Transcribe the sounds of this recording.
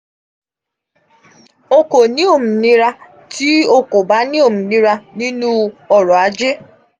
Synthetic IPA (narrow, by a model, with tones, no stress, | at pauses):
o˦ko˨ni˦o˦˨m̩˨ni˦ɾa˦ | ti˦o˦ko˨ba˦ni˦o˦˨m̩˨ni˦ɾa˦ni˦nu˦ɔ˨ɾɔ˨a˨d͡ʒɪ˦